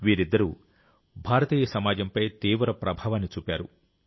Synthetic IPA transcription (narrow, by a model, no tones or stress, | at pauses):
ʋiːɾid̪ːɐɾu | bʱaːɾɐt̪iːjɐsɐmaːd͡ʒɐmpɐjt̪iːʋɾɐpɾʔɐbʱaːʋɐnːit͡ʃuːpʲaːɾṵ